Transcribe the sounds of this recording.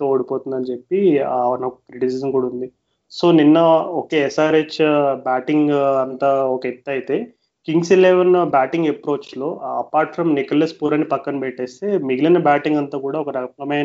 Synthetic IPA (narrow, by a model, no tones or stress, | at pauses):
ooɽipoːt̪und̪ɐnt͡ʃepːiaɐnɐkɐpɾiʈisisɐnkuːɽaɐund̪i | so̞ːninːɐɔkeɛsaːɾet͡ʃbaːʈiŋɡɐnt̪aːɔkɐet̪ːɐjit̪e̞ː | kiŋɡsileʋɐnbaːʈiŋɡepɾo̞ːt͡ʃlo̞ːɐpaːɾʈfɾɐmnikɐlespuːɾɐnːipɐkːɐnupɛʈːeːst̪e̞ːmiɡilɐnɐbaːʈiŋɡɐnt̪aːkuːɽaːɔkɐɾɐplɐmeːn